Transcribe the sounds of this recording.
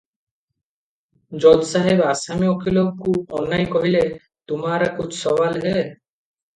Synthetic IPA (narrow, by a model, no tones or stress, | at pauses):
d͡ʒɔd̪saɦebasamiɔkʰiloɡkuɔnːajkɔɦile | t̪umaɾakut͡ʃʰsɔbalɦe